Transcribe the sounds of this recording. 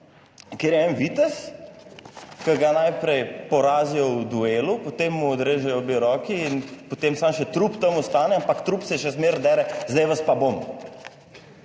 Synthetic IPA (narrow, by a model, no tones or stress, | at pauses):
kjeɾjɛɛnʋit̪ɛs | kəɡanajpɾɛjpɔɾaːzijɔwd̪ueːlupot̪emːuɔd̪ɾeːʒɛjɔbeɾɔːkiːnpot̪emsamʃɛt̪ɾupt̪ɐmɔst̪aːnɛampakt̪ɾupsɛʃɛzmeɾd̪ɛːɾɛzd̪ɛjʋɐspabom